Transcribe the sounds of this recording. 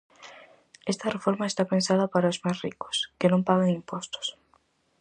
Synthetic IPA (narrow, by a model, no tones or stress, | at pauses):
est̪ɐrefoɾmaest̪apensaðɐpaɾaozmasrikʊ̥skenõmpaɣeŋimpost̪ʊ̥s